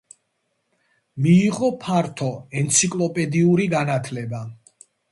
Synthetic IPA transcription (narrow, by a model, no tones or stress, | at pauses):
miːʁɔpʰaɾt̪ʰɔɛnt̪sʰikʼlˠɔpʼɛd̪iuɾiɡanat̪ʰlɛba